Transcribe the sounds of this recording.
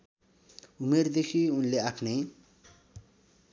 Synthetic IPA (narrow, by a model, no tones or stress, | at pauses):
umerd̪ekʰiunleakʰnej